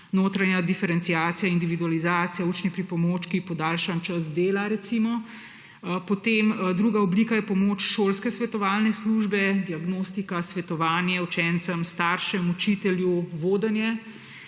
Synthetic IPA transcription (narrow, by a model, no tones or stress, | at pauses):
noːt̪ɾanjad̪ifɛɾɛntsijaːt̪ijaind̪iʋid̪ualizaːt̪sijaut͡ʃnipɾipɔmoːt͡ʃkipɔd̪aːlʃant͡ʃɐsd̪eːlaɾɛt̪simɔ | pɔt̪emd̪ɾuɡaɔblikajɛpɔmoːt͡ʃʃoːlskɛsʋɛt̪ɔʋaːlnɛsluʒbɛd̪iaɡnoːst̪ikasʋɛt̪ɔʋaːnjɛut͡ʃɛnt̪səmst̪aːɾʃɛmut͡ʃit̪ɛljuʋoːd̪ənjɛ